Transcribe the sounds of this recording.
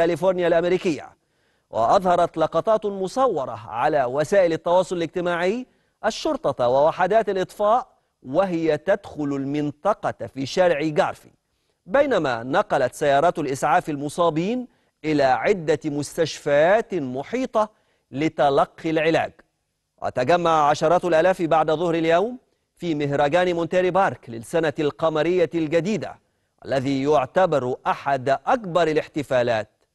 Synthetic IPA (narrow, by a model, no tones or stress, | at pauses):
ælɪfoɾˤnɪjalʔamɾiːkɪjːa̰ | wʔɪ̰ʔɑðˤhɑɾˤɑt̪lɑqɑt̪ˤɑːt̪mʊsˤɑwːɑɾˤɑ̰ʕalaːwasaːʔɪlɪt̪ːɑwɑːsˤʊlɪlɪɡ̚t̪ɪmaːʕɪj | ʔaʃːʊɾt̪ˤɑwɪwaħad̪aːt̪alʔɨt̪ˤfɑːʔ | wɪɦɪjat̪ad̪xʊlʊlmɪnt̪ˤɑqɑfiːʃaɾʕiɡɑ̰ːɾˤfḭ | bajnama̰ːnɑqɑlat̪sajːɑːɾˤɑːt̪lʔɪsʕaːfɪlmʊsˤɑːbiːn | ʔɪlaːʕɪd̪ːamʊst̪aʃfajaːt̪mʊħiːt̪ˤɑ | lɪt̪ɑlɑqːilʕɪla̰ːɡ | wʔa̰t̪aɡamːaʕaʕaʃɑɾˤɑːt̪alʔaːlaːfbaʕd̪aðˤʊhɾɪljawm | fiːmɪɦɾˤɑɡaːnimʊnt̪eɾibɑːɾˤklɪsːanalqɑmɑɾɪjːalɡad̪iːd̪a̰ | ʔa̰lːæðiːjʊʕt̪abɑɾˤʔaħad̪ʔakbɑɾˤɪlɪħt̪ɪfaːlaːt̪̚